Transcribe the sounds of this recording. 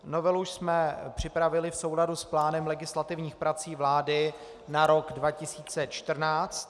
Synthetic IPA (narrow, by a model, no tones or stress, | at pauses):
novɛluʃsmɛpr̝̥ɪpɾavɪlɪfso̞wladusplaːnɛmlɛɡɪslat̪ɪvɲiːxpɾat͡siːvlaːdɪ | naɾo̞ɡdvacɪsiːt͡sɛt͡ʃt̪r̩naːt͡st̪